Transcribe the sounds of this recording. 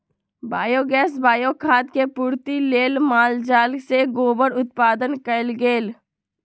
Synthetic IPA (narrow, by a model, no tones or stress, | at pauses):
baːjoːɡɛːsbaːjokʰaːd̪̚kepuːɾt̪ileːlmaːld͡ʒaːlseɡoːbəɾʊt̪̚paːd̪ənkɐlɡeːl